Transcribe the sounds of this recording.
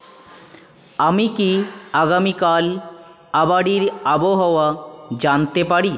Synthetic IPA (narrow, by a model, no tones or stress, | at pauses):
amikiaɡamikal | abaɽiɾaboɦɔwad͡ʑant̪epaɽi